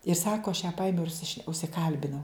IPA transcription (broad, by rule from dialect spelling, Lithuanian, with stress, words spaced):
ɪr ˈsɑːkoː ɐʃ jæː ˈpɐɪmʲɛʊ ɪr ʊʃʲsʲɪˈʃʲnʲɛ ʊʃʲsʲɪˈkɐlʲbʲɪnɐʊ